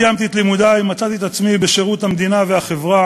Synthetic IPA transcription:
jamt̪iet̪limud̪ajmat͡sat̪iet̪at͡smibeʃe̞ʁut̪hamd̪inaveaχe̞vʁa

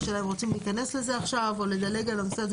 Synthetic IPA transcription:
ʃelaemʁo̞t͡simlihːkane̞sle̞ze̞aχʃavo̞led̪ale̞ɡalamisad̪

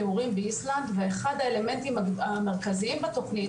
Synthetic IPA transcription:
euʁimbeisland̪veeχad̪aele̞me̞nt̪imaame̞ʁ̞kaziimbet̪o̞χni

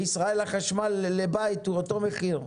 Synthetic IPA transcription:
isʁae̞laχaʃmalːebait̪uoto̞meχiʁ

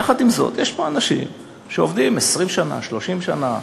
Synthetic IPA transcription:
aχad̪imzo̞̰t̪jɛʃpo̞anaʃḭm | ʃeovd̪imesʁimʃana̰ʃlo̞ʃimʃana

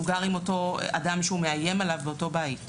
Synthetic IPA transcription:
ɡaʁimo̞to̞a̰damʃeume̞aje̞malavbeoto̞bajt

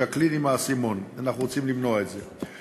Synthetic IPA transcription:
aklinimaːsimo̞nanaχnuʁot͡simlimnoaetze

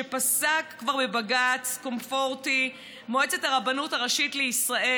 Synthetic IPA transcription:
epasakːvaʁbebaɡat͡sko̞mfo̞ʁti | moet͡se̞taʁabanutaʁaʃitleisʁae

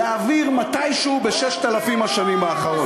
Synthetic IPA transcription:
aːviʁmat̪ajʃeubeʃeʃt̪alafimaʃanimbeaχaʁo

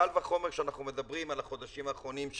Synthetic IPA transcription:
alvaχo̞meʁkʃeanaχnume̞d̪abʁimalaχo̞d̪aʃimaːχʁo̞nimʃ

